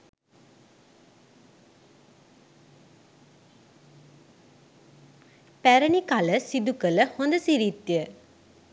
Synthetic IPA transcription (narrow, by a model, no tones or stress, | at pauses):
pæɾənikaləsid̪ukələhond̪əsiɾit̪ːjə